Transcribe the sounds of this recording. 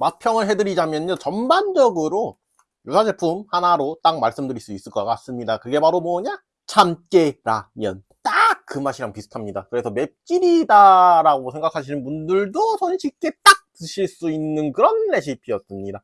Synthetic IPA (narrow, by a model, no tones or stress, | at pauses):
mapʰjʌŋɯɭɦe̞dɯɾid͡ʑamjʌnjot͡ɕʌmband͡ʑʌɡɯɾo | josʰad͡ʑe̞pʰumhanaɾot͈aŋ̚maɭs͈ɯmdɯɾiɭs͈uis͈ɯɭk͈ʌk͈as͈ɯmɲidakɯɡe̞paɾomwʌɲa | t͡ɕʰamk͈eɾamjʌ̰n | t͈ak̚k͈ɯmaɕʰiɾaŋpisʰu̥tʰamɲidakɯɾe̞sʰʌme̞p̚t͡ɕ͈iɾidaɾaɡosʰe̞ŋɡakʰaɕʰinɯnbundɯɭdosʰʌnɕʰik͈e̞t͈ak̚t͈ɯɕʰiɭs͈uinːɯnkɯɾʌnːe̞ɕ̬ʰipʰiʌs͈ɯmɲida